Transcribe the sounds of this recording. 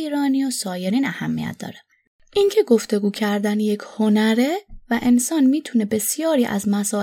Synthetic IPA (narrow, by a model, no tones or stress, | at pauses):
iːɾɒːniosɒːje̞ɾiːnæhæmːḭjæ̰t̪̚d̪ɒ̰ːɾe | ʔiŋcʰe̞ɡo̞ft̪e̞ɡuːcʰæɾd̪ænjecʰho̞næɾevæʔe̞nsɒːnmiːt̪ʰune̞be̞sjɒːɾiːʔæ̰zmæsɒː